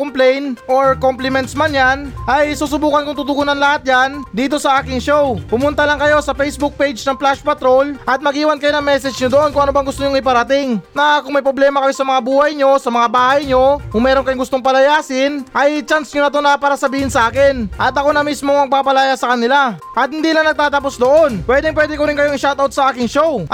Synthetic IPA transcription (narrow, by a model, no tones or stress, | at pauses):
komplɛjnʔoɹkomplɪmɛnt̪smanjanʔɐjsuːsʊbuːkɐnkʊŋt̪ʊt̪ʊɡunɐnlɐhat̪̚jand̪iːt̪̬o̞sɐʔaːkɪŋʃowpʊmʊnt̪ɐlɐŋkɐjo̞sɐfɛjsbuk̚pejd͡ʒnɐŋplaʃpɐt̪ɾo̞lʔɐt̪̚mɐɡiːwɐnkɐjonɐŋmɛsɛd͡ʒɲod̪oʔo̞nkʊŋɐnobɐŋɡʊst̪oɲʊŋɪpɐɾɐt̪ɪŋnɐkʊŋmɐjpɾo̞blɛːmɐkɐjo̞sɐmɐŋabuːhɐjɲo̞sɐmɐŋabaːhɐjɲo̞kʊŋmɛːɾokɐjoŋɡʊst̪o̞ŋpɐlɐjaːsɪnʔɐjt͡ʃansɲonɐt̪onapaːɾɐsɐbiːhɪnsɐʔaːkɪnʔɐt̪ɐko̞nɐmismoŋmɐɡ̚paːpɐlajasɐkɐnɪlaʔɐt̪̚hɪnd̪iːlɐŋnɐɡ̚t̪aːt̪ɐpo̞sd̪o̞ʔo̞npwɛd̪ɪŋp̬wɛːd̪ɛkoɾɪnŋkɐjoŋɪʃawt̪awt̪sɐʔaːkɪŋʃow